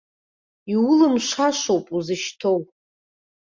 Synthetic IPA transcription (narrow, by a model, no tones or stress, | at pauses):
iwʊlɨmʂʷaʂowpʼuzɨʃtʰo̞wʼ